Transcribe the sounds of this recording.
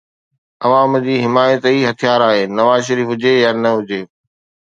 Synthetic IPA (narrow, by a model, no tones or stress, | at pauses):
ɐʋãːmd͡ʑiːɦɪmaːjət̪iːɦɐt̪ʰijaːɾaːɦeːnɐʋaːzʃ̬ɐɾiːfɦʊd͡ʑejaːnɐɦʊd͡ʑeː